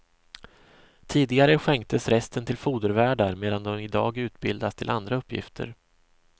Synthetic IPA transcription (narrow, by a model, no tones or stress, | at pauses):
t̪ʰiːd̪ɪɡaɾəɧɛŋk̚t̪ʰəsɾɛst̪ənt̪ʰɪlfuːd̪əɾvæːɖaɾmeːd̪and̪ɔmɪd̪ɑ̰ːɡʉ̟ːt̪bɪld̪ast̪ʰɪlʔand̪ɾaɵpːjɪ̰ft̪ʰə̰ɾ